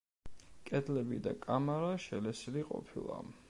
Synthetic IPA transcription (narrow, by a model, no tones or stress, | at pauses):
kʼɛd̪lɛbid̪a̰kʼamaɾaʃɛlɛsiliqʼɔ̰pʰilˠa̰